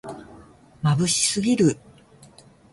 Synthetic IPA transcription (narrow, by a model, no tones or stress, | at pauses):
mabɯ̟ɕi̥sɨɡʲiɾɯ̟